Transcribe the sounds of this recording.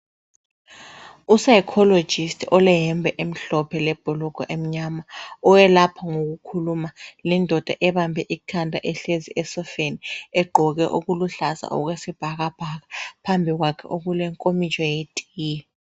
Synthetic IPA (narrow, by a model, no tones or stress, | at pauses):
usajkʰɔlo̥d͡ʒ̥ʱistʰɔlɛjɛmbʱɛʔem̩ɬɔpʰɛlɛb̥ʱɔlɔɡ̥ʱʼɔʔem̩ɲamaɔjɛlapʰaŋok̬ukʰulumalɛndʱɔd̥ʱa̰ʔɛβambʱɛʔikʰandʱʼa̰ʔɛɬeziɛsɔfeniɛɡ͡ǃʱɔɣ̬ɛ̰ʔuɣuluɬasa̰ʔɔ̰k̬wesib̥ʱaɣab̥ʱaɣapʰambʱik̬wakʰɛ̰ʔoɣ̬ulɛŋkʼomit͡ʃʼɔjetʼijɛ